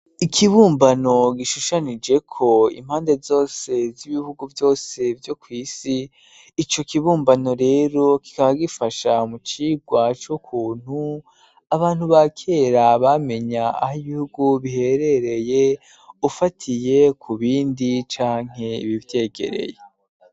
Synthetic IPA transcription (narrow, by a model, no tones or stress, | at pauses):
ikʰiβuːmbano̞ɡiʃuʃanid͡ʒe̞kʰo̞ḭm̥haːnde̞zo̞ːse̞ziβiβuɡuvjo̞ːse̞vjo̞kwiːsiː | t͡ʃo̞kiβuːmbano̞ɾe̞ːɾo̞ki̥kaβaɡifaʃamut͡ʃiːɡwat͡ʃokʰuːn̥hu | aβaːn̥huβakʰe̞ɾaβame̞ɲa̰ːhiβihuɡuβihe̞ɾe̞ɾe̞je | ufatʰije̞kʰuβiːndit͡ʃaːŋ̥e̞ḭβivje̞ːɡḛɾe̞̰je